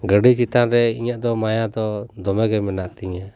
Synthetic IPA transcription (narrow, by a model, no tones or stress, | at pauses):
ɡəɖit͡ʃit̪anɾɛiɲaʔd̪ɔmajad̪ɔd̪ɔmɛɡɛmɛnaʔt̪iɲa